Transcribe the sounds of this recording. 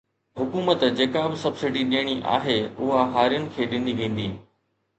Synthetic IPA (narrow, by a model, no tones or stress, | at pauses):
hʊkuːmət̪d͡ʑeːkabɪsɐbsɪɖiɗiːəɽ̃iʔa̰ːɦeʊɦaɦaːɾijənɪ̆kʰeːɗɪ̃n̆d̪iʋẽːn̆d̪iː